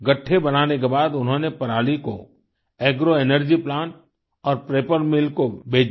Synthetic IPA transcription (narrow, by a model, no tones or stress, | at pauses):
ɡɐʈʰːebɐnaːnekebaːd̪ʊnɦõnepɐɾaːliko̰ | eːɡɾoenəɾd͡ʒiplãːɳʈ | ɔːɾpɾeːpəɾmɪlkobʱeːd͡ʒ